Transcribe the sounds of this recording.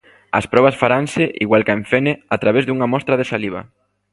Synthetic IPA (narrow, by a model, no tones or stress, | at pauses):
a̰spɾɔβ̞ɐsfaɾansɪʔiɣwalkaeɱfeneat̪ɾaβezðuŋamɔst̪ɾaðesaliβ̞a̰